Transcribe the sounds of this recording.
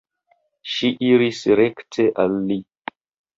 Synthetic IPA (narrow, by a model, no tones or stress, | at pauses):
ʃiʔiɾisɾektʰeʔalːi